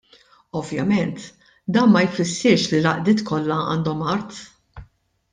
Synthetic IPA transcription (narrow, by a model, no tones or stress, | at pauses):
ɔvjɐmɛnt̪ | d̪ɐːnmɐjfɪsːɪɾʃlilɐʔd̪ɪːt̪kʰɔlːɐɐ̰ːnd̪ɔmɐɾt̪